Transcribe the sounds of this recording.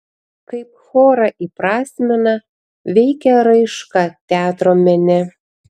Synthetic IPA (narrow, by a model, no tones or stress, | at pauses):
kɐɪp̚xoːɾɐʔipɾɑːsʲmʲɛnɐ | ʋʲɛɪkʲɛɾɐɪʃkɑt̪ʲæːt̪ɾomʲɛnʲɛ